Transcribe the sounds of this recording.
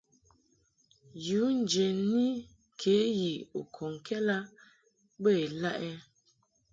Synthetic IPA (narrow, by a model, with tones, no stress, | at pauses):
ju˨˦n˨d͡ʒe˨ni˦ | kʰe˨˦ji˨o˨kʰɔ˨ŋ˨kʰɛ˦la˦ | bə˦˨e˨la˦ʔɛ˦